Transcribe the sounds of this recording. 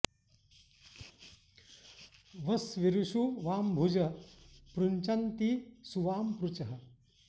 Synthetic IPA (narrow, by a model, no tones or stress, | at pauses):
ʋɐsʋiɾuʃuʋaːmbʱud͡ʒɐpɾuɲt͡ʃɐnt̪isuʋaːmpɾut͡ʃɐɦɐ̆